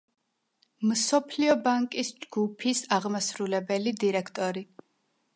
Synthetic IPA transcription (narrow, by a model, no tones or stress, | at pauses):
msɔpʰliɔbaŋkʼisd͡ʒɡupʰisaʁmasɾulɛbɛlid̪iɾɛkʰt̪ʼɔɾi